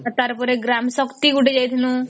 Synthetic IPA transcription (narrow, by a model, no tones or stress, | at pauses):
at̪aɾpɔɾeɡɾamsɔkt̪iɡuɖed͡ʒajt̪ʰinũ